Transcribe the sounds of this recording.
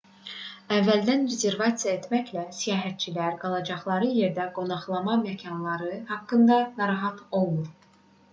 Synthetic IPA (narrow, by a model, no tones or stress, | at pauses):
ævːæld̪ænɾeze̞ɾvɑt̪sijɑe̞t̪ʰmæçlæsijɑːɦæt̪̚t͡ʃʰilæɾɡɑlˠɑd͡ʒɑχlˠɑɾɯje̞ɾd̪æɡo̞nɑχlˠɑmɑmæcʰɑnlˠɑɾɯhɑkːɯnd̪ɑnɑɾɑɦɑt̪ʰo̞lˠuɾ